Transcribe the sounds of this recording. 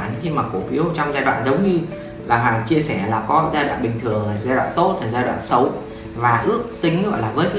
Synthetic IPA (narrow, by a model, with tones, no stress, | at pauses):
nxi˧maː˨˩ko˧˩fi˨˦əwt͡ɕɔ˧wŋ͡mzaː˧jɗwa̰ː˧˨nzə˨˦wŋ͡mɲɨ˧ | laː˨˩ɦaː˨˩t͡ɕi˧əsɛ˧˩laː˨˩kɔ˨˦zaː˧jɗwa̰ː˧˨nɓï˨˩ŋ̟t̪ʰɨ˨˩əŋlaː˨˩zaː˧jɗwa̰ː˧˨nt̪o˦˥t̚laː˨˩zaː˧jɗwa̰ː˧˨nsə˨˦w | vaː˨˩ʔɨ˦˥ək̚t̪ï˧ŋ̟˧˦ɣɔ̰˧˨jlaː˨˩vəː˨˦jkː